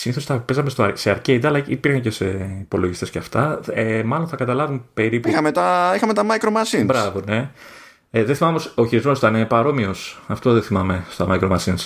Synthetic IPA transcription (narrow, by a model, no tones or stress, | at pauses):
siniθo̞sθɐpezɐmest̪oseɐɾced̪ɐlɐḭpiɾxɐncesepo̞loʝist̪e̞sceɐft̪ɐemɐlonθɐkɐt̪ɐlɐvumpe̞ɾipixɐmet̪ɐixɐmet̪ɐmɐjkɾomɐsinbɾɐvone̞ | ðeθimɐmomosoçiɾizmo̞st̪ɐnepɐɾo̞mio̞sɐft̪o̞ðeθimɐme̞st̪omɐjkɾomɐsins